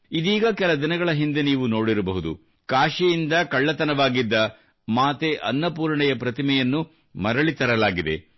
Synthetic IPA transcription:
id̪iːɡɐkɛlɐd̪inɐɡɐɭɐɦind̪e̞niːʋuno̞ːɽiɾɐbɐɦud̪ṵ | kaːʂijind̪ɐkɐɭːɐt̪ɐnɐʋaːɡid̪ːɐ | maːt̪eʔɐnːɐpuːɾɳɛjɐpɾɐt̪imɛjɐnːu | mɐɾɐɭit̪ɐɾɐlaːɡid̪e̞̰

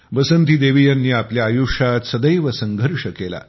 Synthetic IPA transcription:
ʋəsənt̪iːd̪eʋijanːiːapljaːjuʂat̪səd̪əjʋəsəŋɡʱəɾʂəkela̰

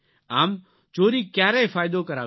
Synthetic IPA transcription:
aːm | t͡ʃoːɾiːkjaːɾeːfaːɪd̪oːkəɾaː

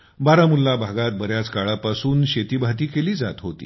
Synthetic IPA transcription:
baɾamulːabʱaɡat̪̚bəɾjat͡skaɭapasuːnɕet̪iːbʱat̪̬iːkeliːd͡za̰t̪ɦot̪ḭː

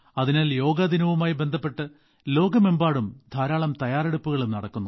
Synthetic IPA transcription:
ɐðinaːljo̞ːɡɐd̪ʱinɐʋumaːjibe̞nd̪ʱɐpːe̞ʈːɨ | lo̞ːɡɐmembaːɽumd̪ʱaːɾaːɭɐmt̪ɐjaːɾeɽupːuɣɐɭumnɐɽɐkːunːu

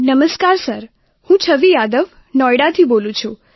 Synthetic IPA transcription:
nəməskaɾsəɾ | hũt͡ʃʰəʋijad̪əʋ | nɔjɽat̪ʰibolũt͡ʃʰu

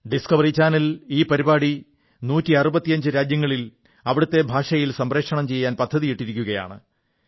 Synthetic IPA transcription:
ɖiskɐʋɐrit͡ɕaːnɐliːpɐɾibaːɽi | nuːtːiɐrubɐt̪ːijɐɲd͡ʑɨɾaːd͡ʑjɐŋːɐɭil | ɐʋiɽɐt̪ːe̞bʱaːʂɐjilsɐmreːkʂɐɳɐmt͡ɕe̞jːaːnpɐd̪ʱːɐðijiʈːiɾikʲːuɣɐja̰ːɳɨ̰

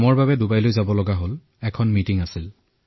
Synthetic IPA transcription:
mɔɹbabɛdubajlojzabɔlɔɡaɦol | ɛkʰɔnmitiŋasil

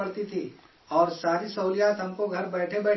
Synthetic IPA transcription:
ɐɽt̪it̪ʰi | ɔːɾsaːɾisɐʊlijaːt̪ɦɐmkoɡʱɐɾbɛːʈʰebɛː

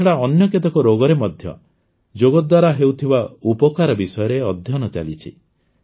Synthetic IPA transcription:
ɽaɔnjɔket̪ɔkɔɾoɡɔɾemɔd̪ʱjɔ̰ | d͡ʒoɡɔd̪waɾaɦewt̪ʰibaupɔkaɾɔbisɔjɔɾeɔd̪ʱjɔnɔt͡ʃa̰lit͡ʃʰḭ

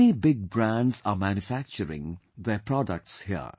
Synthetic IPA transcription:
nibɪɡ̚bɾæ̃nɖzamæ̃njufæk̚t͡ʃəɾɪ̰̃ŋd̪epɾɔɖə̰k̚ʈshiə̰

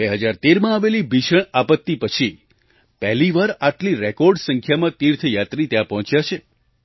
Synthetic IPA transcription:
beɦəd͡ʒaɾt̪eɾmãaʋelibʱiʃəɳapət̪ːipət͡ʃʰi | pɛɦliʋaɾaʈliɾekɔɾɖsə̃ŋkʰjamãt̪iɾt̪ʰəjat̪ɾit̪jãpɔɦɔ̃t͡ʃjat͡ʃʰe

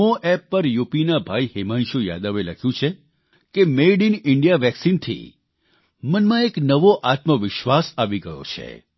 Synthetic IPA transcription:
õʔɛpːəɾjupinabʱaihemanʃuja̰d̪əʋeləkʰjũt͡ʃʰe | kemeɖinɪɳɖijaʋɛksint̪ʰḭ | mənmãeknəʋoʔat̪məʋɪʃʋasaʋiɡəjo̰t͡ʃʰḛ

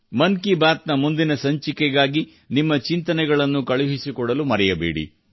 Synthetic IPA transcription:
mɐnkibaːt̪nɐmund̪inɐsɐɲt͡ʃikɛɡaːɡi | nimːɐt͡ʃint̪ɐnɛɡɐɭɐnːukɐɭuɦisikɔɽɐlumɐɾɛjɐbeːɽḭ

